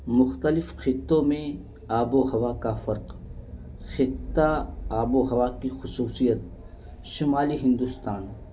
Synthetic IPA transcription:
mʊxt̪əlɪfxɪt̪ːõmẽ | aːboɦɐʋakafɐɾq | xɪt̪ːaaːboɦɐʋakixʊsuːsijət̪̚ | ʃʊmaːliɦɪ̃nd̪ʊst̪aːn

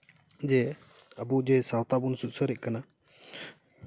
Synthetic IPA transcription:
d͡ʒɛ | əbud͡ʒɛsawt̪abunsuʔ̪̚səɾɛc̚kana

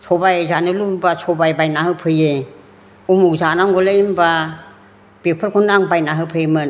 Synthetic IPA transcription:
sʰɔbajzanɯlubasʰɔbajbajnaɦɯpʰɯje | umuzanaŋɡɔleimba | b̥epʰɯɾkʰɔnaŋbajnaɦɯpʰɯjemɯn

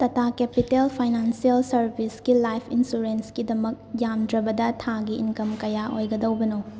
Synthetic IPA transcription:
tɐtʰakepitelpʰajnansiɐlsɐɾbiskilajpʰinsuɾensɡidɐmɐk̚jamdɾɐbɐdɐtʰaɡḭːnkɐmkɐjaʔojɡɐdɐwbɐno

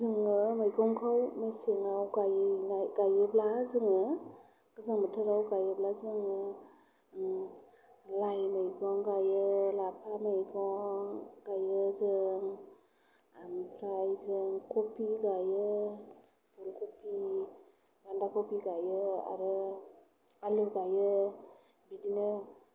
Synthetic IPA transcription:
zɯŋɯmɯjɡɔŋkʰawmesɯŋawɡajnaɡajɯblazɯŋɯ | ɡ̥ɯzɯŋmətʰɯɾawɡajɯblazɯŋɯ | lajmajɡɔŋɡajɯlapʰamajɡɔŋɡajɯzɯŋ | mpʰɾajzɯŋkɔpʰiɡajɯ | buɾkʰopʰi | ɡandakʰɔpiɡajɯa̰ɾɯ | aluɡajɯ | bidinɯ

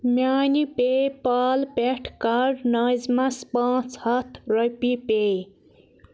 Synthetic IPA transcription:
mjaːnipepaːlpeʈʰkaɾnajzmãspãːt͡shʌt̪ʰɾʌjpipe

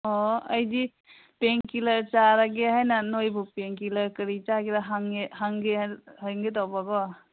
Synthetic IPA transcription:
ɔəjdi | peŋkilaɾt͡ʃaɾaɡeɦajnanojbupeŋkilaɾkəɾit͡ʃakiɾaɦaŋehaŋɡeɦajŋɡet̪ɔbaɡɔ

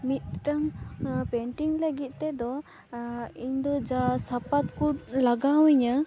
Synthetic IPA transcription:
mit̪̚ʈaŋpɛɳʈiŋləɡit̪̚t̪ɛd̪ɔ | iɲd̪ɔd͡ʒasapat̪kulaɡawiɲə

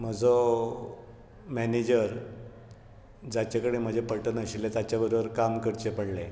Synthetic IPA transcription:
m̤əd͡zo | mɛned͡ʑəɾ | d͡zat͡ɕakəɽem̤əd͡ʑʱepəʈənəɕilet̪at͡ɕjabəɾobəɾkamkəɾt͡ɕepəɽle

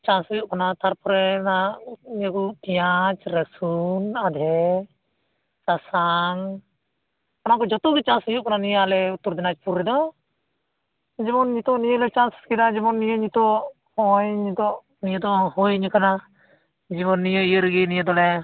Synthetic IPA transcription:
t͡ʃãsujɔʔkanat̪ʰaɾpʰɔɾɛnaʔɲijəkutijat͡ʃɾəsunad̪ʱɛ | sasan | kanakɔd͡ʒɔt̪uɡit͡ʃãnsujɔʔkananijalɛut̪uɾd̪ɛnat͡ʃpuɾːɛd̪ɔ | d͡ʒɛbɔnɲit̪ɔʔnijəlɛt͡ʃãskid̪ad͡ʒɛbɔnːijəɲit̪ɔʔ | hɔjɲid̪ɔʔ | nijəd̪ɔhɔjɲəkana | d͡ʒibɔnːijəijəɾɡinijəd̪ɔlɛ

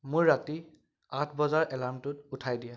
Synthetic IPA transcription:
mʊɹːati | atʰbɔzaɹʔɛlamtʊtutʰajdija

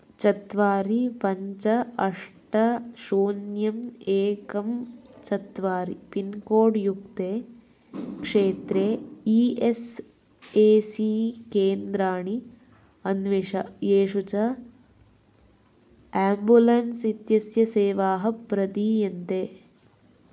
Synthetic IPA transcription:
t͡ʃɐt̪ʋaːɾipɐɲt͡ʃɐɐʂʈɐʃoːnjɐmeːkɐmt͡ʃɐt̪ʋaːɾipinkoːɖjukt̪eː | kʂeːt̪ɾeːiːes | eːsikeːnd̪ɾaːɳi | ɐnʋeʂɐeːʂut͡ʃɐ | aːmbulɐnsit̪jɐsjɐseːʋaːɦɐpɾɐd̪iːjɐnt̪eː

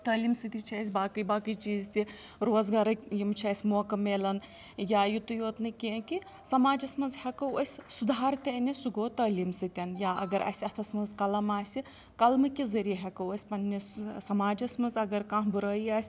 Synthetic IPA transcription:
t̪ɐːliːmsɨt̪it͡ʃʰisʲbaːkɨbaːkɨt͡ʃiːzt̪iɾoːzɡaɾɐjimt͡ʃʰiɐsʲmoːkɐmeːlɐn | jaːjut̪ujoːt̪nɨkĩki | sɐmaːd͡ʒɐsmɐnzhɛkɐwosʲsud̪ʱaːɾt̪ɐnʲisuɡoːt̪ɐːliːmsɨt̪ʲɐnjaːʔɐ̰ɡɐɾʔɐ̰sʲɐt̪ʰɐsmɐnzkɐlɐmaːsʲi | kɐlmɨkizɐɾiɦɛkɐwosʲpɐnnissɐmaːd͡ʒɐsmɐzɐɡɐɾkãːɦbuɾɐːiaːsʲ

